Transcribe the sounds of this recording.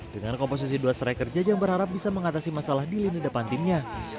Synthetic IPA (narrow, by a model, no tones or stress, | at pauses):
dəŋankompos̬is̬iduasəɾajkərd͡ʒajaŋbəɾɦaɾap̚bisaməŋat̪asimasalahdilinidapant̪ɪnɲa